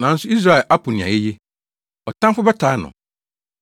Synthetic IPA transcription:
nã˨n̩˦sʊ˦i˦s̬ɾa˦ɛ˨lʔa˦pʰʊ˨nɪ̃˨ã̰˨jɛ˦je˦ | ɔ˨tʰã˦fʊ˦bɛ˦tʰaː˨˦nʊ̰̃˨

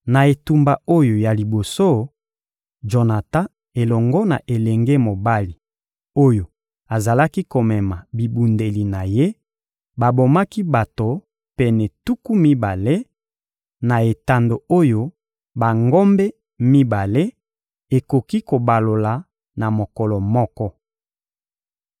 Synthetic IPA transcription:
na˨e˨tu˨mba˨o˦jo˨ja˨li˨bo˨so˦ | d͡ʒo˨na˨tã˦ | e˨lɔ˨ŋɡɔ˦na˨ʔe˨le˨ŋɡe˦mo˨ba˦li˨ | o˦jo˨ | a˨za˨la˦ki˦ko˨mɛ˨ma˨bi˨bu˨nde˨li˨na˨je˦ | ba˨bo˨ma˦ki˦ba˨to˨ | pɛ˨nɛ˨tu˦ku˦mi˦ba˨le˦ | na˨e˨ta˨ndo˨o˦jo˦ | ba˨ŋɡo˦mbe˦ | mi˦ba˨le˦ | e˨ko˨ki˦ko˨ba˨lo˨la˨ | na˨mo˨kɔ˨lɔ˨mɔ˦kɔ˦

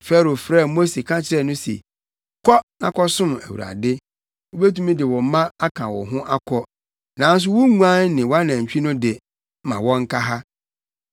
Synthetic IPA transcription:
fɛ˦˨ɾo˨fɾɛ˦˨mo˦se˨kʰã˦t͡ɕʰɪ˦ɾɛ˦nʊ̃˦sḛ˨ | kʰɔ˦nã̰˨kʰɔ˦sʊ̃˦mæ̰˨wṵ˨ɾa̰˨dɪ˦ | ʊ˦be˦tũ˦mĩ˦dɪ˨wɔ̃˨m˦mã˦a˦kʰã˨wɔ̰˨ɦʊ̃˦ʔa˦kʰɔ˦ | nã˨n˦s̬ʊ˦wʊ˦ŋũ˦ã˦nnɪ̃˨wa˦nã˨ɲ̩˨t͡ɕᶣi˦nʊ̃˦dɪ˨˦ | mã˨wɔ̃˦ŋ̩˦kʰa˦ɦa˦

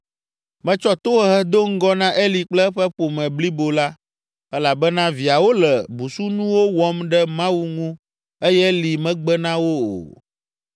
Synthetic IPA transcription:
mɛ̃˦t͡ʃɔ˦t̪o˦ɦɛ˦ɦɛ˦d̪o˦ŋ̩˦ɡɔ˦nã˦ʔe˦li˨k͡plɛ˦ɸɛ˦ɸo˨mɛ̃˨bli˦bo˨la˦ | ɛ˦la˨bɛ˦nã˦vi˨a˨wo˦lɛ˨bu˨su˦nũ˦wo˦wɔ˦mɖɛ˦mã˦wu˦ŋũ˦ | e˦jɛ˦li˨mɛ̃˦ɡ͡bɛ˦nã˦wo˦o̰˨

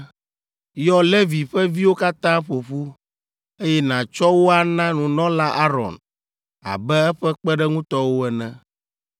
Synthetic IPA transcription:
jɔ˦le˦vi˨ɸɛ˦vi˦wo˦ka˦t̪ã˦ɸo˨ɸu˦ | e˦jɛ˦nã˨t͡ʃɔ˦wo˦a˨nã˦nũ˨nɔ̃˦la˦ʔa˦ɾɔ̰˨n | a̰˨bɛ˦ɛ˦ɸɛ˦k͡pɛ˦ɖɛ˦ŋũ˦t̪ɔ˦wo˦ɛ˨nɛ̰̃˨

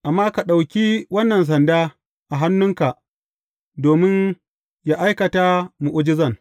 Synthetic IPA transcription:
ʔa˨mːaː˦ka˨ɗa˨wkʲi˦wɐ˦nːɐ˨ns̬ɐ˨ndaː˦ | ʔa˨ɦa˦nːʊ˦ŋka˨ʔ | doː˨mɪ˦n | ja˦ʔa˦jkɐ˨taː˦mu˨ʔʊ˦d͡ʒɪ˦zɐ˦˨n

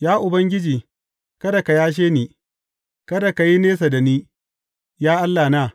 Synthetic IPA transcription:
jaː˦ʔʊ˨bɐ˦ŋɡʲɪ˦d͡ʒiː˨ | kɐ˦da˨ka˨jaː˦ʃ̬eː˦niː˨ | kɐ˦da˨ka˨ji˦neː˦s̬a˨da˨niː˦ | jaː˦ʔa˦lːaː˨naː˦˨

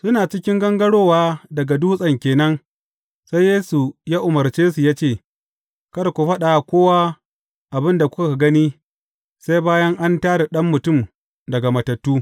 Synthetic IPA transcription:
sʊ˦naː˨t͡ʃɪ˦kʲɪ˦ŋɡɐ˦ŋɡɐ˦ɽoː˦waː˦dɐ˨ɡa˨duː˦sʼɐ˨ŋkʲeː˨nɐ˦ŋ | sa˦jːeː˦su˨jaː˦ʔʊ˨mɐ˨rt͡ʃeː˦su˨jaː˦t͡ʃeː˦˨ | kɐ˦rkʷu˨ɸɐ˦ɗa˨kʷoː˦wa˦ | ʔa˨bɪ˦nda˨kʷʊ˦ka˨ka˨ɡɐ˦niː˦ | sa˦jbaː˦jɐ˦ŋʔa˦ntaː˦ɽe˨ɗɐ˦mːʊ˨tʊ˦˨m | dɐ˨ɡa˨mɐ˨tɐ˨tːuː˦

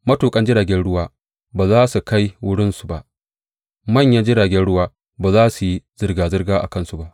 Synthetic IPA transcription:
mɐ˦tuː˨kʼɐ˦nd͡ʒɪ˦ɽaː˨ɡʲɛ˦nɽʊ˦waː˦ | baː˨zaː˦su˨ka˦jwʊ˦ɽɪ˦nsu̥˨ba˨ʔ | mɐ˦˨ɲja˦d͡ʒɪ˦ɽaː˨ɡʲɛ˦nɽʊ˦waː˦ | baː˨zaː˦su˨ji˦z̥ɪ˦rɡaː˨zɪ˦rɡaː˦ʔa̰˨kɐ˦˨nsu˨ba˦ʔ

